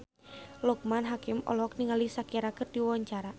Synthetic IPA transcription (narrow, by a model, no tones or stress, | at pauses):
lɔk̚manɦakɪmɔ̰lɔɔk̚niŋalisakiaɾakɨrdiwawaɲt͡ʃaɾa